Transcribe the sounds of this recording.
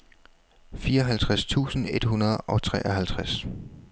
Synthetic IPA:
fiːɐɒ̽ɦælt͡sʰʁast͡sʰṵːsn̩e̝d̥ɦunɐðˠʔɒ̽t͡sʰʁɛ̰ːʔɒ̽ɦælt͡sʰʁas

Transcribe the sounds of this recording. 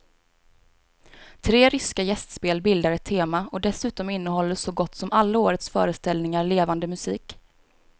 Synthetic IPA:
t̪ʰɾeːɾʏskajɛst̪speːlbɪld̪aɾɛt̪ʰːeːmaɔd̪ɛsʉ̟ːt̪ɔmɪnːəhɔlːəʂɔɡɔt̪ːsɔmalːaoːɾət̪sfœ̰ːɾəst̪ɛlnɪŋaɾɭeːvand̪əmɵsiːk

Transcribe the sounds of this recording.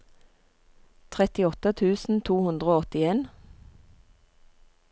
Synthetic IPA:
t̪ʰʁɛt̪ɪɔt̪ət̪ʰʉːsn̩t̪ʰuːhʉnd̪ʁəoːɔt̪ɪeːn

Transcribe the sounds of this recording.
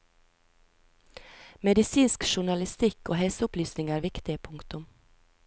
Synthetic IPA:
mɛd̪ɪsiːnskʃʊɳɑlɪst̪ɪkoːhɛsəʊplyːsnɪŋæːɾʋɪkt̪ɪəpʰʊŋkt̪ʊm

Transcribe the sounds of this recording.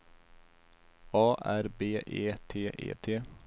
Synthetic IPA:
ɑːʔæɾbeːʔeːt̪ʰeːʔḛːt̪ʰeː

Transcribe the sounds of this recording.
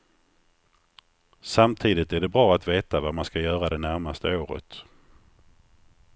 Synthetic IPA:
samt̪ʰiːd̪ɪt̪æɖɛbɾɑːat̪veːt̪avamanskajœːɾad̪ɛnæɾmast̪əoːɾə̰t̪

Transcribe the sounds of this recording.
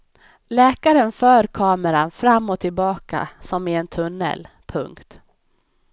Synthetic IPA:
lɛːkaɾənfœːɾkʰɑːməɾanfɾamːɔt̪ʰɪlbɑːka̰sɔmɪɛnt̪ʰɵnːə̰l | pʰɵŋkt̪

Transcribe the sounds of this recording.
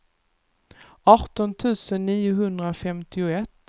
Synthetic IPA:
ɑːt̪ɔnt̪ʰʉ̟ːsənːiːʊɦɵnd̪ɾafɛmt̪ɪʊɛt̪ː

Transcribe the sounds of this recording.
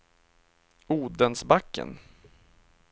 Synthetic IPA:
uːd̪ənsbakːə̰n

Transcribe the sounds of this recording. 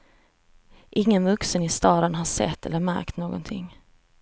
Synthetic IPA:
ʔɪŋːənvɵksənɪst̪ɑːd̪ənɦaʂɛ̰t̪ʰːɛ̰lːəɾmæ̰ɾkt̪noːɡɔ̰nt̪ʰɪ̰ŋː

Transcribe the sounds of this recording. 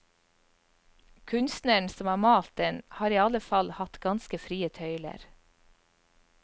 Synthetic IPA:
kʰʉnst̪nəɳsɔmæːmɑːlt̪̚ənhɑːɾiːɑləfɑlhɑt̪ɡɑnskəfɾiːət̪ʰœʏlə̰ɾ

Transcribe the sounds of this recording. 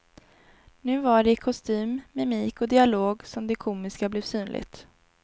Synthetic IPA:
nʉ̟ːvaɖɛkʰɔst̪yːmːɛmiːkɔd̪ɪaloːɡsɔmd̪ɛkʰuːmɪskablɛːvsyːnlʔɪ̰ɡt̪

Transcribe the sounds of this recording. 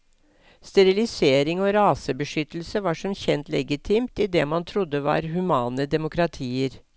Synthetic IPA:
st̪ɛɾɪlɪseːɾɪŋɔːɾɑːsəbəʂʏt̪l̩səʋɑːʂɔmçɛnt̪lɛɡɪt̪ʰiːmt̪id̪ɛːmɑnt̪ʰɾʊd̪ːəʋɑ̰ːɾhʉmɑːnəd̪ɛmʊkɾɑt̪ʰiːəɾ

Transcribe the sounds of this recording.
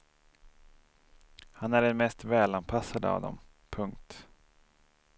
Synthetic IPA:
hanæɖɛnmɛst̪vɛːlanpʰasad̪əa̰vd̪ɔ̰m | pʰɵŋk̚t̪

